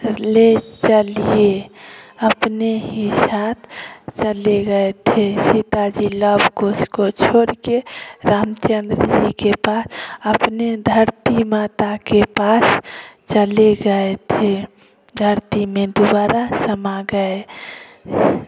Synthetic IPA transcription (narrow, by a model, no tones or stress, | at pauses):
let͡ʃəlie | əpneɦisat̪t͡ʃəleɡəet̪ʰesit̪ad͡ʒiləbʱkoskot͡ʃʰoɾkeɾamt͡ʃənd̪ɾəd͡ʒikepasəpned̪ʱəɾt̪imat̪akepast͡ʃəleɡəet̪ʰe | d̪ʱəɾt̪imẽd̪ubaɾasəmaɡəe